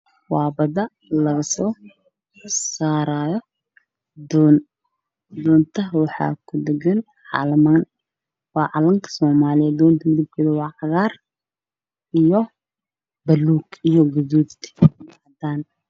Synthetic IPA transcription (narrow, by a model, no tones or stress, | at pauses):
wɑːbɐdɐ | lɐɣɐsɔː | saːɾaːjɔ | d̪ɔn | d̪ɔːnt̪ʰɐwɑħɑ̰ːkʰʊd̪ɛɡɐn | ʕɑ̰ːlɐmaːn | wɑːʕɑlɐŋkʰɐ̥sɔːmaːlɪjɛɔːnt̪ʰɐmɪðɐb̚kʰɔːðɐwɑːʕɑɣaːr | ʔijɔ | bɐluːɡijɔɡʊðuːðt̪ʰmaːd̪aːn